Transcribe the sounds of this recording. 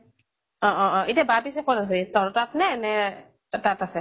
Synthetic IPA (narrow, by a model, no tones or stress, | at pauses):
ɔ̃ʔɔ̃ɔ̃itabapisɛkɔtas̬ɛitɔɹɔtatnɛːnɛ | tatasɛ